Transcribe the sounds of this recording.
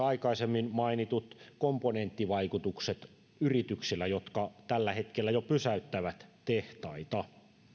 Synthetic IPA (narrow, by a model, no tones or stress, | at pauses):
ɑikɑisemːinmɑinit̪ut̪komponent̪ːiʋɑikut̪ukset̪ | yrit̪yksilːæjot̪kɑt̪ælːæhet̪kelːæjopysæyt̪ːæʋæt̪t̪eht̪ɑit̪ɑ